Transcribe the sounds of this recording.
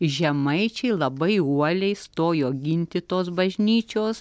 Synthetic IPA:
ʒʲɛmɐɪt͡ʃʲɛɪlˠɐbɐɪuɔlʲɛɪst̪oːjoːɡʲɪnʲt̪ʲɪt̪oːsbɐʒʲnʲiːt͡ʃʲoːs

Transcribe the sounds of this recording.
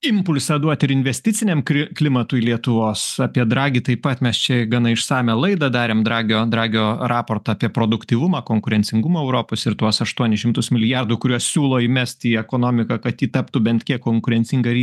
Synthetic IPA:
ɪmpʊlʲsɐd̪uɔt̪ʲɪɾɪnʲʋʲɛsʲt̪ʲɪtt͡s̪ʲɪnʲɛmkʲɪklʲɪmɐt̪uːilʲiɛt̪ʊʋoːsɑːpʲiɛd̪ɾɑːɡʲiːt̪ɐɪppɐt̪mʲɛst͡ʃʲɛɡɐnɐɪʃsɑːmʲɛlˠɐɪd̪ɐd̪ɑːɾʲeːmd̪ɾɑːɡʲoːd̪ɾɑːɡʲoːrɑːpoːrt̪ɐɑːpʲiɛpɾoːd̪ʊkt̪ʲiːʋʊmɑːkoːŋkʊɾʲɛnʲt͡s̪ʲɪŋɡʊmoːɛʊɾoːpoːsɪɾt̪uɔsɐʃt̪uɔnʲɛʃʲɪmt̪ʊsmʲɪlʲɪjɑrd̪ʊkʊɾʲuɔssʲuːlˠoːimʲɛsʲt̪ʲiːɛkoːnoːmʲɪkɐkɐt̪jiːt̪ɐpt̪uːbʲɛnt̪ʲkʲiɛkːoːŋkʊɾʲɛnʲt͡ssʲɪŋɡɐɾʲiː

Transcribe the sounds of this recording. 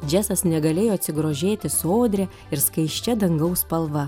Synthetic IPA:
d͡ʒʲæsɐsnʲɛɡɐlʲeːjoːɐt̪ʲsʲɪɡɾoːʒʲeːt̪ʲɪsoːd̪ʲɾʲɛ | ɪɾskɐɪʃʲt͡ʃʲɛd̪ɐŋɡɐʊspɐlˠʋɐ

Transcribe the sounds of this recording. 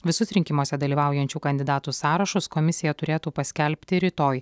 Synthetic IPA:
ʋʲɪsʊsɾʲɪŋʲkʲɪmoːsʲɛd̪ɐlʲiːʋɑˑʊjɛnʲt͡ʃʲuːkɐnʲd̪ʲɪd̪ɑːt̪uːsɑːɾɐʃʊskɔmʲɪsʲɪjɛt̪ʊɾʲeːt̪uːpɐsʲkʲɛlʲpʲt̪ʲɪɾʲɪt̪oːj

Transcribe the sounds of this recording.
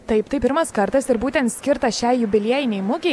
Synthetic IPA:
t̪ɐɪpt̪ɐɪpʲɪɾmɐskɐɾt̪ɐsɪɾbuːt̪ʲɛnt̪sʲkʲɪɾt̪ɐʃʲæɪjʊbʲɪlʲiɛjɪnʲɛɪmʊkʲɛɪ

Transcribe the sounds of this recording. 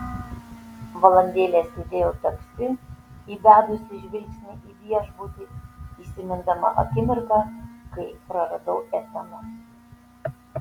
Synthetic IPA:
ʋɐlˠɐnʲd̪ʲeːlʲeːsʲed̪ʲeːjot̪ɐkʲsʲt̪ʲɪiːd̪ʲæːd̪ʊsʲɪʒʲʋʲɪlʲksʲnʲɪʔiːʋʲiɛʒbud̪ʲiiːsʲɪmʲɪnd̪ɐmɐ̰ʔɐ̰kʲɪmʲɪɾkɐkɐɪpɾɐɾɐd̪ɐʊʔɛt̪ɐmɐ

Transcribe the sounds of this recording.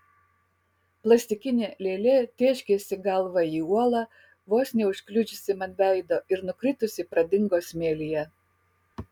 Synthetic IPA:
plˠɐsʲt̪ʲɪkʲɪnʲeːlʲeːlʲet̪ʲeːʃʲkʲeːsʲɪɡɐlˠʋɐiːuɔlˠɑ | ʋoːsʲnʲeːʊʃʲklʲʊd͡ʒʲɪsʲɪmɐnʲʋʲæˑɪd̪oːʔɪɾnʊkɾʲɪt̪ʊsʲɪpɾɐd̪ʲɪŋɡoːsʲmʲeːlʲijɛ

